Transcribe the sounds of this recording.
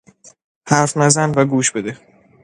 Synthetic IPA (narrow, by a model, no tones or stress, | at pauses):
hæɾfnæzænvæɡuːʃbe̞d̪e